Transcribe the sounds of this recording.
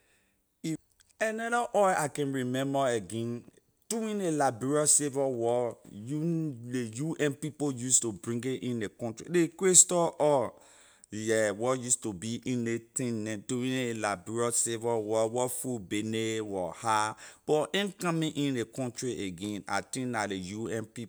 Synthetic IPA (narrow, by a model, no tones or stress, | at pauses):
i | ɛnɔɾaʔɔjakɛ̃nɹimɛ̃mbaeɡɛ̃n | d̥uĩnelabiɹɔsevɔwɔjuejuʔɛ̃npipojustubɹĩŋɡẽʔĩndekɔ̃ntɹḭdekɹestɔʔɔ | ɛwɔjustubiʔĩnetĩnɛ̃tuwĩnlabiɹɔsevɔwɔwɔfubenewɔhab̥ɔʔɛ̃nkãmĩʔĩndekɔ̃ntɹiʔeɡɛ̃na̰tĩnalejuɛ̃npipo